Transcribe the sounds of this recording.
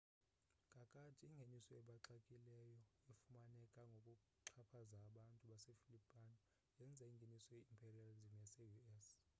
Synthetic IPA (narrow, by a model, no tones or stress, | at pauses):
kʼakʼatʰʼiiŋɡʱenisɔɛɓaǁakʼilɛjɔefumanɛkʼaŋɡʱokʼu | ǁʰapʰazaːɓantʼuɓasefilipʼanɔ | jɛnd͡zʱaiŋɡʱenisɔjeimpʼʰerializmjasejuɛs